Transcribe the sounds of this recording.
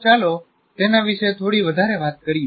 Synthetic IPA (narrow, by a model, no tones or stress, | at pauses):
t͡ʃalo | t̪enaʋiʃet̪ʰoɽiʋəd̪ʱaɾeʋat̪̚kəɾi